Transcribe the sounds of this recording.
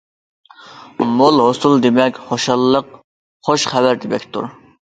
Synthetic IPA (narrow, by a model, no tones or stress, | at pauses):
molˠɦost̪ulˠd̪emɛkʲχoʃɑlˠːəq | χoʃχɛbæɾd̪ɪbɛkʲt̪ʰṵɾ